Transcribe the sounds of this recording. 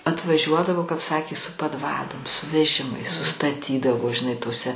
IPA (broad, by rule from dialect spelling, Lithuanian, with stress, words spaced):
ɐtʋɐˈʒʲuɔdɐʋoː kɐp ˈsɑːkʲeː sʊ pɐdˈʋɑːdoːm sʊ ʋʲɛˈʒʲɪmɐɪs sʊstɐˈtʲiːdɐʋoː ʒʲɪˈnɐɪ toːˈsʲɛ